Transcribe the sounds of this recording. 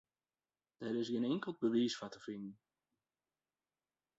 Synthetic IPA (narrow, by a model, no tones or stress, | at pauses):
d̥ɛɾɪsɡɪnɛŋkəlˠd̚bəʋiːsfatəfinn̩